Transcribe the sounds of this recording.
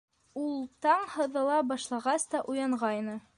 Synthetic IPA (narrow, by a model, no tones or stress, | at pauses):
ulˠt̪ɑɴhɤ̆ðɤ̆lˠɑbɑʃlˠɑʁɑst̪ɑʔujɑɴʁɑjnɤ